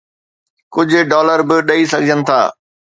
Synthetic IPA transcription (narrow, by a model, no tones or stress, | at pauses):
kʊd͡ʑʱʊ̆ɖɔːləɾbɪɗɐisɐɡʱɪd͡ʑənɪ̆t̪ʰa̰ː